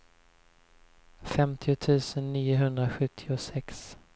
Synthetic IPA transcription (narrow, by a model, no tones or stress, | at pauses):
fɛmt̪ʰɪʊt̪ʰʉ̟ːsənːiːʊɦɵnd̪ɾaɧɵt̪ʰːɪʊsɛks